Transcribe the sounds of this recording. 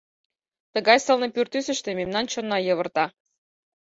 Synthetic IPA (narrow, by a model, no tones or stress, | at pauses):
t̪əɣɑjsɤ̆lnɤpyrt̪ysə̆ʃt̪ememnɑnt͡ɕonːɑjə̆βə̆rt̪ɑ